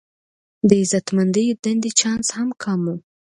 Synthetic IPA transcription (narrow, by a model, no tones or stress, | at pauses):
d̪əɪzat̪mand̪əjod̪and̪it͡ʃɑnshamkʰɑmu